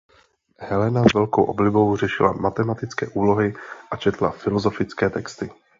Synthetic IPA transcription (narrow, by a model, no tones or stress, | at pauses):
hɛlɛnazvɛlko̰wʔo̰blɪbo̞wrɛʃɪla̰mat̪ɛmat̪ɪt͡skɛ̰ːʔuːlo̞ɦɪʔat͡ʃɛt̪la̰fɪlozo̞fɪt͡skɛːt̪ɛkst̪ɪ